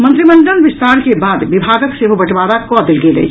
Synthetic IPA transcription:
mɐ̃nt̪ɾimə̃ɳɖənʋɪst̪ʰaːɾkebaːd̪ʋɪbʱaːɡək̪seɦobɐʈʋaːɾakɔːd̪ɪlɡelḛː

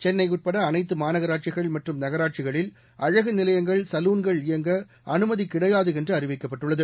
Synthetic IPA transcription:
t͡ʃɛnːɐɪuʈ̚pɐɽɐːnɐɪt̪̬ːɯmaːnɐɣɐɾaːʈ̚t͡ʃɪɣɐɭmɐʈrɯmnɐɣɐɾaːʈ̚t͡ʃɪɣɐɭɪl | ʔɐɻɐɣɯnɪlɐjɐŋɡɐɭsɐluːnɡɐɭɪjɐŋɡɐ | ʔɐnɯmɐðikːɪɽɐjaːðɯɛndrɯɐrɪʋɪkːɐpːɐʈːɯɭːɐðɯ

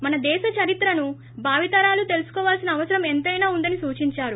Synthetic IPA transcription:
mɐnɐd̪ɛːʃɐt͡ʃɐɾit̪ɾɐnu | bʱaːʋit̪ɐɾaːlut̪e̞lusu̥kɔːʋaːlsinɐːʋɐsɐɾɐment̪ɐjnaːund̪ɐnisuːt͡ʃiɲt͡ʃaːɾu

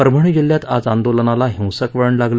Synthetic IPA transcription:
əɾbʱəɳ̃id͡ʑiljat̪ad͡zand̪olənalaɦĩwsəkʋəɭəɳlaɡlə

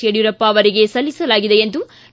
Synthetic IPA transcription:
eɽjuɾɐpːɐːʋɐɾiɡesɐlːisɐlaːɡid̪e̞end̪u

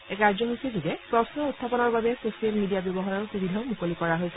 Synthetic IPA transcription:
ɛkaɹzɔɦojsizuɡɛpɹɔsnɔutʰːapɔnɔɹbabɛsosialmidijabjɔbɔɦaɹɔɹsubidʱaʊmukolikɔɹaɦojsʰ

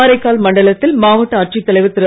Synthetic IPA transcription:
ɾɐɪkːaːlmɐɳɖɐɭɐt̪ːɪlmaːʋɐʈːɐɐʈt͡ʃit̪ːɐlɐɪʋɯt̪ːɪɾɯ

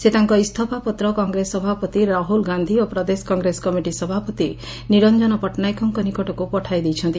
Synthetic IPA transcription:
set̪aŋkɔist̪ʰɔpapɔt̪ɾɔkɔŋɡɾesɔbʱapɔt̪iɾaɦulɡand̪ʱiopɾɔd̪eskɔŋɡɾesɔ̥kɔmiʈisɔbʱapɔt̪i | niɾɔnd͡ʒɔnɔpɔʈnajkɔŋkɔnikɔʈɔkupɔʈʰajd̪ijt͡ʃʰɔnt̪i

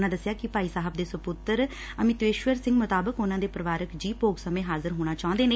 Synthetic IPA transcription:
nãːd̪əsːɪjaːkɪpaːiːsaːɦəb̚d̪eːsəpʊt̪əɾ | əmɪt̪ʋeːʃʋəɾsɪ̃ŋɡmʊt̪aːbəkʊnãːd̪eːpɾəʋaːɾəkd͡ʒiːpoːɡsəmẽːɦaːzəɾɦoːɽ̃aːt͡ʃaːʊ̃nd̪eːneː

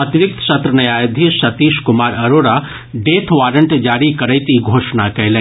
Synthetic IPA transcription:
ɐt̪iɾʊk̚t̪ʃɐt̪ɾənɐjaːjd̪ʱisɐt̪iːʃkʊmaːɾɐɾoːɾa | ɖeːt̪ʰʋaːɾəɳʈd͡ʒaːɾikɐɾəjt̪iɡʱoːʃnakɐɦlẽ

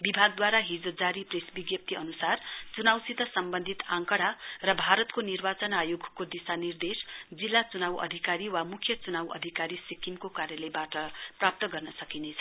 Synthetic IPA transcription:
bibʱaɡ̚d̪waɾaɦid͡zod͡zaɾipresbiɡjʌp̚t̪iʌnusart͡sunawsit̪ʌsʌmbʌnd̪ʱit̪ãŋkʌɽ̤arʌbʱaɾʌt̪konirbat͡sʌnajoɡʱkod̪isanird̪esd͡zilːat͡sunawʌ̰d̪ʱikaɾiwamukʰjʌt͡sunawʌ̰d̪ʱikaɾisikiŋkokaɾjʌlebaʈʌprap̚t̪ʌɡʌrnʌsʌkinet͡sʰʌ̥

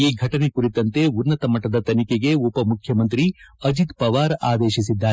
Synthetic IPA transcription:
iːɡʱɐʈɐnekuɾit̪ɐnt̪e̞unːɐt̪ɐmɐʈːɐd̪ɐt̪ɐnikeɡeupɐmukʰjɐmɐnt̪ɾiɐd͡ʒit̪pɐʋaːɾaːd̪eːʃisid̪ːaː

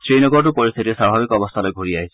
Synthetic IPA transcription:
sɾenɔɡɔɾɔʈupɔɾist̪ʰit̪iesabʱabikɔbɔst̪ʰalɔjɡʱoɽiaɦisʰi

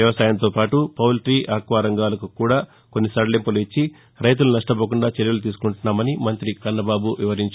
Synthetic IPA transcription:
jɐʋɐsaːjɐnt̪oːpaːʈupɐwlʈɾiːʔaːkʋaːɾɐŋɡaːlɐkukuːɽaː | ko̞nːisɐɽɐlimpɐluit͡ʃːi | ɾɐjt̪̬ulunɐʂʈɐboːkuɳɖaːt͡ʃeɾjɐlut̪̬iːs̬u̥kuɳʈunːaːmɐnimɐnt̪ɾikɐɾnːɐbaːbuʋiʋɐɾiɲt͡ʃ

